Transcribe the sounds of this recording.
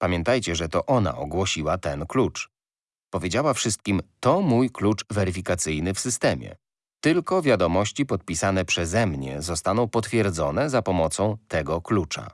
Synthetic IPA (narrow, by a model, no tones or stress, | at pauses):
pamʲjɛnt̪ajt͡ɕɛʐɛt̪ɔʔɔna̰ʔɔɡwɔɕiwat̪ɛnklut͡ʂ | pɔvʲjed͡ʑawafʂɘst̪̚kʲimt̪ɔmujklut͡ʂvɛɾɘfʲikat̪sɘjnɘfsɘst̪ɛmʲjɛ̰ | t̪ɘlkɔvʲjad̪ɔmɔɕt͡ɕipɔt̪̚pʲisanɛpʂɛzɛmɲɛ̰zɔst̪anɔ̃w̃pɔt̪fʲjɛɾd̪zɔnɛzapɔmɔt̪sɔ̃w̃t̪ɛɡɔklut͡ʂa̰